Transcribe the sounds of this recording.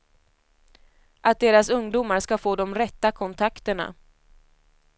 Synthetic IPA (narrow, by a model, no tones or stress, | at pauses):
ʔat̪̚d̪eːɾasɵŋd̪uːmaɾʂkafoːd̪ɔmɾɛt̪ːakʰɔnt̪ʰakt̪əɳa̰